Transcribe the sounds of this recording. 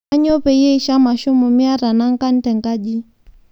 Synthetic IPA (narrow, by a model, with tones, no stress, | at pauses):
a˦ɲɔ˦pɛ˨jɛ˦i˨˦ʃa˦ma˨ʃu˦mu˨mi˦a˦ɾa˨na˦ŋ˦ka˦n̩˦tɛ˨ŋɡa˦ʄi˦